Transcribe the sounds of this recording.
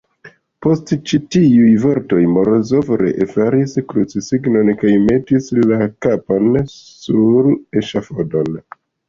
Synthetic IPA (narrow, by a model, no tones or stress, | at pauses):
po̞stt͡ʃitiujvo̞ɾto̞jmoɾozo̞vɾḛʔefaɾiskɾut͡sisiɡno̞nkajme̞tislakapansuɾeʃafodo̞n